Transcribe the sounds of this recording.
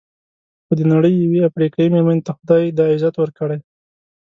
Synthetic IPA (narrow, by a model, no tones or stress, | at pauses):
xod̪ənaɽəjːaweafɾikɑimeɾmanet̪axʊd̪ɑjd̪ɑɪzat̪wəɾkəɽaj